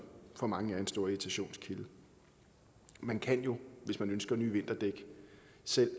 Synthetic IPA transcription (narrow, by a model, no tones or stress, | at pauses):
fɒ̽mɑ̈ŋəæɐe̝nsd̥o̝ɐit͡sʰæɕo̝̰ːnskʰilə | mænkʰæn̰jo̝ʋe̝smænønsɡ̥ɐnyːʋe̝n̰d̥ɐd̥eɡ̥ə | sel̰